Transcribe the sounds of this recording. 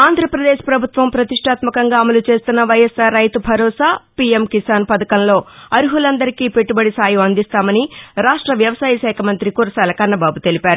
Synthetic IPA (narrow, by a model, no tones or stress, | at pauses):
aːnd̪ʱɾɐpɾɐd̪eːʃpɾɐbʱut̪ʋɐmpɾɐt̪iʂʈʰaːt̪mɐkɐŋɡaːɐmɐlut͡ʃe̞ːst̪unːɐʋɐjɐsaːɾːɐjt̪ubʱɐɾɔːsaːpiːemkisaːnpɐd̪ɐkɐnlo̞ːɐɾuɦulɐnd̪ɐɾikiːpe̞ʈːubɐɽisaːjuɐnd̪ist̪aːmɐniɾaːʂʈɾɐʋjɐʋɐsaːjɐʃɛːkʰɐmɐnt̪ɾikuɾɐsɐːlɐkɐnːɐbaːbut̪e̞lipaːɾu